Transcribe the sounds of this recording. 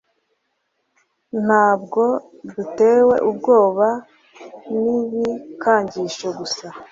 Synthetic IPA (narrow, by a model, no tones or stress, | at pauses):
n̥haːbɡo̞ | dute̞ːwe̞ʔubɡo̞ːβa | niβikʰaːɲɟiʃoɡusa